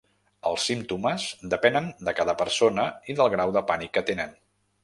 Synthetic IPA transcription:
əlˠsːimt̪uməzd̪əpɛnənd̪əkaðəpəɾsonəiðəlˠɣɾawðəpanikːət̪enən

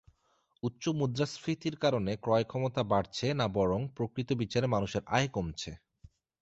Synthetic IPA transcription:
utːɕomud̪ɾasfit̪iɾkaɾonekɾɔekʰɔmot̪abaɽt͡ɕʰenabɔɾoŋpɾokɾit̪obit͡ɕaɾemanuʃeɾʔajkomt͡ɕʰe

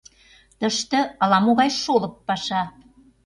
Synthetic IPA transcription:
t̪əʃt̪ə̆ɑlɑmoɣɑjʃolə̆pːɑʃɑ

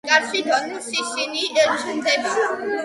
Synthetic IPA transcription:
kʼaɾsid̪ɔnusisiniɛɾtʰund̪ɛb

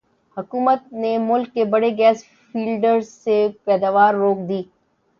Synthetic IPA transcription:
hʊkuːmət̪̚nemʊlkːebɐɽeɡɛːs | fiːlɖəɾzsepɛːd̪aːʋaːɾːoːk̚d̪iː

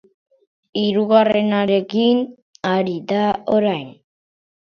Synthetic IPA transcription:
iɾuɣare̞naɾe̞kin | aɾiðaoɾajn

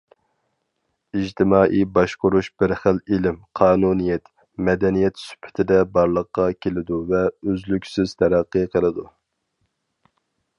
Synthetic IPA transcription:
id͡ʒt̪ʰɪmɑːʔijbɑʃqʊɾuʃb̥ɪɾχəlilɪmqʰɑːnunijɛt̪ | mɛd̪ɛnijɛt̪sy̥pʰːɪ̥t̪ʰɪd̪ɛbɑɾlˠəqːɑkʲʰelɪd̪uvɛøzlykʲsɪz̥t̪ʰɛɾæqːɨqʰəlˠɨd̪u

